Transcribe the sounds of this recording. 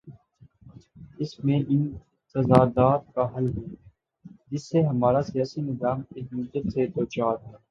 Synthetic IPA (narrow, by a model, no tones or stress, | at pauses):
ɪsmẽʔɪn | sɐzaːd̪aːt̪̚kaɦɐlɦɛː | d͡ʒɪsːeɦɐmaːɾasijaːsinɪzaːmeːkmʊd̪ːət̪set̪oːt͡ʃaːt̪ɦɛː